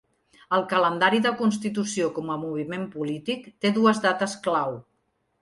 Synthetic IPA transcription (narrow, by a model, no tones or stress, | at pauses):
əlˠkələnd̪aɾiðəkuns̬t̪it̪usiokɔməmuβ̞imempulit̪ikt̪eðuəzðat̪əsklaw